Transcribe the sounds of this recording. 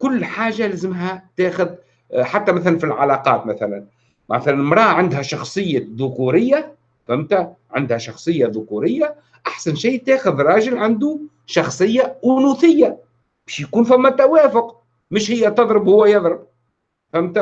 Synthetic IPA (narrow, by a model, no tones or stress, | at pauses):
kʊlːħaːʒalæzɪmɦæt̪æːxʊð | ħat̪ːæmæθælænfilʕalɑqɑ̰ːt̪mæθælæn | mæθælænmɾˤɑːʔʕand̪hæʃɑxsˤɨjːaðʊkuɾɪjːa | fæmt̪æʕɪnd̪hæʃɑxsˤɨjːaðʊkuɾɪjːa | ʔaħsænʃiːt̪æːxʊðɾˤɑːʒɪlʕand̪u | ʃɑxsˤɨjːaʔʊnuθɪjːa | b̥ɛʃjkuːnfæmːæt̪ːæwæːfʊq | mɪʃhɪjːæt̪ɑðˤɾɪbhʊwːæjɑðˤɾˤəb̚ | fæmt̪æ